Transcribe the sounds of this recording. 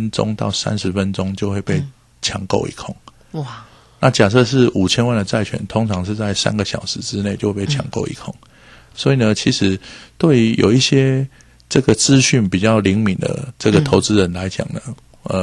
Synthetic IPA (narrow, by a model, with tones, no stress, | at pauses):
nʈ͡ʂʊ̰˥˦ŋt̪ɑ˥˩ʊsa̰˦nʂɻ̩˧˦fə˦nʈ͡ʂʊ˦˥ŋt͡ɕjo˥˧ʊxwe˥˧ɪpe˥˩ɪ | t͡ɕʰjɑ˧˥ŋko˥˧ʊʔḭ˨˥˩kʰʊ˨˩ŋ | na˥˨t͡ɕja˨˩ʂ̬ɤ˥˧ʂ̬ɻ̩˥˩ʔu˨˩t͡ɕʰjɛ˥nwa˥˩nd̪ə˩t͡sa˥˩ɪt͡ɕʰɥɛ̰˨˩nt̪ʰo˥ŋt͡sʰɑ˧˥ŋʂ̬ɻ̩˥˧t͡sa˥˩ɪsa̰˥nɡə˨ɕjɑ̰˨˩ʊʂɻ̩˧˦ʈ͡ʂɻ̩˥ne˥˨ɪt͡ɕjo˥˧we˥˩pe˥˩t͡ɕʰɑ̰˧˥ŋko˥˩ʊḭ˧˩kʰʊ˨˩ŋ | swɔ˧˥i˨˩nə˩t͡ɕʰi˧˥ʂɻ̩˧˥t̪we˥˩ɪy˧˥jo̰˨˩ʊi˥˩ɕjɛ˥ | ʈ͡ʂɤ˥˩ɡə˩t͡sɹ̩˥˧ɕy˥˩npi˨˩t͡ɕjɑ˥˩ʊli˧˥ŋmi˨˩ŋd̪ə̰˩ʈ͡ʂɤ˥˩ɡə˨˩t̪ʰo˧˥ʊt͡sɹ̩˦ɻə˧˦˥nla˧˦ɪt͡ɕjɑ̰˨˩ŋnə˦ | ʔə˨